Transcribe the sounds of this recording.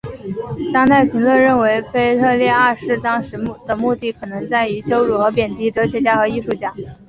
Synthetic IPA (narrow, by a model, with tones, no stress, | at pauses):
t̪ɑ˥ŋt̪ʰa˥˩ɪpʰi˧˥ŋlwə˥˧nɻə˥˩nwe˧˥ɪfe˥ɪt̪ʰɤ˥˧ljɛ˥˧a˥˧ʂɻ̩˥˩t̪ɑ˥ŋʂɻ̩˧˥d̪ə˧mu˥˧t̪i˥˩kʰɤ˨˩nɤ˧˥ŋt͡sa˥˩ɪy˧˥ɕjo˥ʊɻu˨˩xɤ˧˥p̬jɛ˨˩nt̪i˧˥ʈ͡ʂɤ˧˥ɕʰɥɛ˧˥t͡ɕja˥˩xɤ˧˥i˥˧ʂu˥˩t͡ɕja˥˩